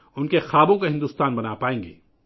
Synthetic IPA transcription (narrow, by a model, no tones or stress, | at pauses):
ʊnkexaːbõkaɦɪ̃nd̪uːst̪aːnbɐnapaːẽːŋɡḛː